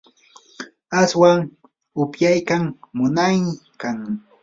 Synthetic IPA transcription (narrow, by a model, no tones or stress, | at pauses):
aswaŋ | ʊpjajkaŋmʊnajnɪkaŋ